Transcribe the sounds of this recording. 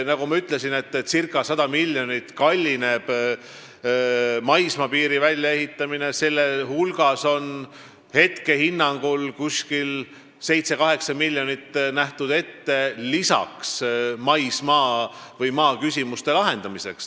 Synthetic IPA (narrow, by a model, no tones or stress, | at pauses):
nɑɡ̥umɑyt̪ˑle̞sine̞t̪ːsirkːˑɑsɑd̪ɑmilʲːjo̞nit̪kɑlʲːine̞b̥ | mɑjsmɑpiːɾivælʲjɑe̞ɦit̪ːˑɑmine̞se̞lːe̞ɦulɡ̥ɑso̞n | he̞t̪ke̞hinːɑŋɡ̥ulkusʲkil | se̞jt̪se̞kɑɦe̞ksɑmilʲːjo̞nit̪ːˑnæht̪ud̪̥e̞t̪ːe̞lisɑ̰ksmɑjsmɑːvɤjmɑːkysʲimust̪e̞lɑɦe̞nd̪̥ɑmise̞ks